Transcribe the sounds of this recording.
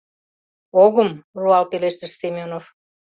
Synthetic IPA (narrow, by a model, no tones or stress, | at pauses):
oɣəmruɑlpeleʃt̪əʃsemʲonof